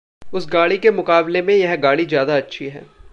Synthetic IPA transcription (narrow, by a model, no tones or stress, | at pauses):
ʊsɡaːɽikemʊkaːblemẽjɐɦɡaːɽizjaːd̪aɐtːʃʰiɦɛ̰ː